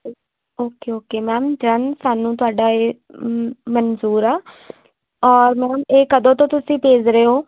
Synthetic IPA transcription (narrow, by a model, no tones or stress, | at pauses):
oːkeːoːkeːmɛːmd͡ʒənsaːnũːt̪ʊaːɖaːeː | mənsuːɾaː | ɔːɾmɛːmeːkəd̪õːt̪õːt̪ʊsĩːpeːd͡ʒɾəeːɦoː